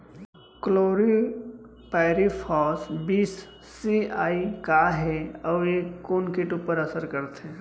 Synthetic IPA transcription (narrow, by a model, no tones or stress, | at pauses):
kloːɾi | paɪɾipʰɔːsbiːsː | iaːikaɦɛɔekːonkɪʈupəɾəsəɾkəɾt̪ɦẽ